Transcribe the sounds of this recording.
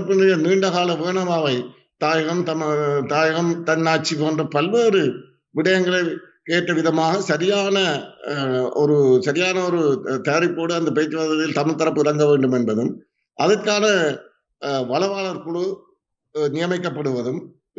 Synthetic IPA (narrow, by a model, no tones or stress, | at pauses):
pːɪnrɪjɐniːɳɖɐɣaːɭɐʋeːɳɐʋaːʋɐɪ | t̪aːjɣɐmt̪ɐt̪aːjɣɐmt̪ɐnːaːʈ̚t͡ʃːikoːndrɐpɐlʋeːɾɯ | ʋɪɽɐjɐŋɡɐɭɐɪ | keːʈːɐʋɪðɐmaːɣɐsɐɾɪjaːnɐ | ɔɾɯsɐɾɪjaːnɐɔɾɯt̪eːɾɪpːoːɽɯɐnd̪ɐpeːt͡ʃːɯʋaðɐt̪ːɪlt̪ɐmɪɭt̪ɐɾɐpːɯɪɾɐŋɡɐʋeːɳɖɯmɛnbɐðɯm | ʔɐðɐkːaːnɐ | ʋɐɭɐʋaːɭɐɾkʊɭo | nɪjɐmɐɪk̬ːɐpːɐɽɯʋɐðɯm